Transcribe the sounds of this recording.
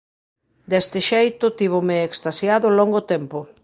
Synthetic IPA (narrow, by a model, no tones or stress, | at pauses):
d̪ɛst̪ɪʃejt̪ʊt̪iβ̞omeːkst̪asjaðʊlɔŋɡot̪ɛmpo